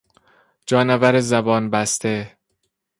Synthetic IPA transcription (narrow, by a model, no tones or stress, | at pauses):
d͡ʒɒːnævæɾezæbɒːnbæst̪e